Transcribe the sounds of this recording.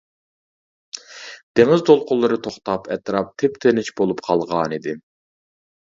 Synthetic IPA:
d̪̥eŋɪzt̪ʰolˠqʊlˠːɨɾɨt̪ʰoχt̪ɑpʰɛt̪ɾɑp̚t̪ʰɪpt̪ʰenɪt͡ʃbolˠupqʰɑlˠʁɑːnid̪ɪ

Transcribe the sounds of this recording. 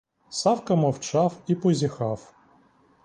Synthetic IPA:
sɑwkɐmɔwt͡ʃɑwipɔzʲixɑw

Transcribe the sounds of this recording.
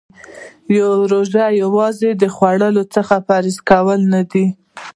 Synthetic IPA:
joɾoʒajawɑzed̪əxwaɽəlot͡səxapɑɾizkawəlnad̪i

